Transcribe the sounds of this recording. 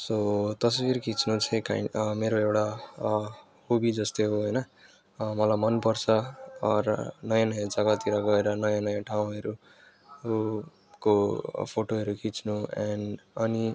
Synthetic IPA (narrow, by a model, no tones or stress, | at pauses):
sot̪ʌswiɾkʰit͡snut͡sʰẽka̰imeɾoewʈa | hubid͡zʌst̪eɦoɦʌjnʌ | mʌlamʌnpʌrt͡sʰʌɾnʌjãnʌjãd͡zʌɡat̪iɾʌɡʌeɾʌnʌjãnʌjãʈʰaũɦʌɾu | kopʰoʈoɦʌɾukʰit͡snuanʌni